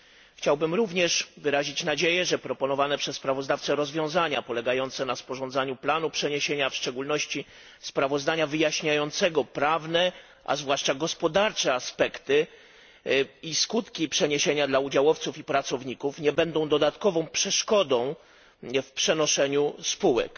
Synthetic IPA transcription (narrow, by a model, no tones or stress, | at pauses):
xt͡ɕawbɘmɾuvɲɛʂvɘɾaʑit͡ɕnad͡ʑejɛʐɛpɾɔpɔnɔvanɛpʂɛsspɾavɔzd̪aft̪sɛɾɔzvʲjɔ̃w̃zaɲapɔlɛɡajɔnt̪sɛnaspɔʐɔ̃nd̪zaɲuplanupʂɛɲeɕeɲafʂt͡ʂɛɡulnɔɕt͡ɕi | spɾavɔzd̪aɲavɘjaɕɲajɔnt̪sɛɡɔpɾavnɛ | ʔa̰zvwaʂt͡ʂaɡɔspɔd̪aɾt͡ʂɛaspɛkt̪ɘ | iskut̪kʲipʂɛɲeɕeɲad̪laud͡ʑawɔft̪sufipɾat̪sɔvɲikufɲɛbɛnd̪ɔ̃w̃d̪ɔd̪at̪kɔvɔ̃w̃pʂɛʂkɔd̪ɔ̃w̃ | fpʂɛnɔʂɛɲuspuwɛ̰k